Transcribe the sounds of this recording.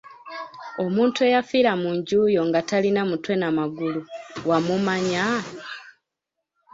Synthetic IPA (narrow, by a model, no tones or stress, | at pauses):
o̞muːntue̞jafiɾamuɲɟuːjo̞ŋɡatalinamutwe̞namaɡuluwamumaɲa